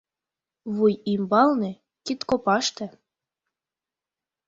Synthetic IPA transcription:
βujimbɑlnĕ | kit̪kopɑʃt̪ĕ

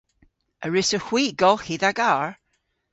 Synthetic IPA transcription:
əɹɪsəhw̥iːɡɔlˠhiðaɡaɹ

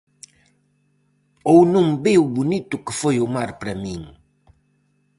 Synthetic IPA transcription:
ownũŋbewbunit̪ʊkɨfojʊmaɾpɾɐmĩŋ

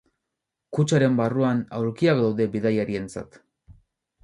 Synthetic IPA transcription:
kut͡ʃaɾe̞mbaruanawɾkiak̚d̪awðe̞biðajaɾie̞nt͡sa̰t̪

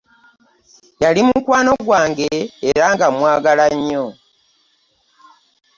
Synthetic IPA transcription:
jalimukwaːno̞ɡwaːŋɡeːɾaŋɡamwaːɡalaɲːo

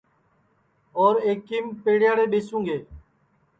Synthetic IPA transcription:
oːɾeːkːiːmpeːɽɪjaːɽeːɓeːsũːɡeː

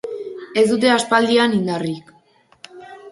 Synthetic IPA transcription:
e̞zd̪ut̪̬e̞aspald̪ianind̪arik

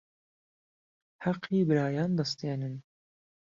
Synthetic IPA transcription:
hɑqʰːiːbɨɾɑːjɑːnd̪ɐst̪eːnɨn

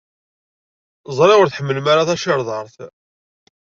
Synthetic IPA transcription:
zˤɾˤɪʁʊɾθħəmːəlmaɾaθæʃəɾðˤɑɾˤθ

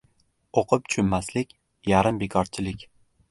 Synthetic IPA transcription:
oqʰɨp̚t͡ʃʰʊmːaslɪkʲ | jaɾɪmbekʰɒɾt͡ʃʰɪlɪkʲ

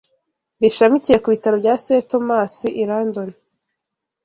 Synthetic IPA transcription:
βiʃamicije̞kuβitaɾobɟaːseto̞maːsiʔiɾaːndoni

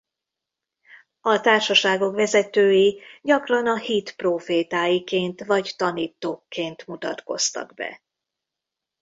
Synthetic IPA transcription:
ɒt̪aːrʃɒʃaːɡo̞kʋɛzɛt̪øːjiɟɒkrɒnɒhit̪proːfeːt̪aːjikeːnt̪vɒct̪ɒniːt̪ːoːkːeːnt̪mut̪ɒt̪ko̞̰st̪ɒ̰ɡbɛ̰

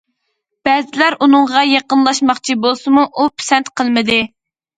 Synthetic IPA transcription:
b̥ɛzɪlæɾunɨŋʁɑjɑqənlˠɑʃmɑχt͡ʃʰibolˠsɨmuʔupʰi̥sɛnt̪qʰəlˠmɪd̪ɨ

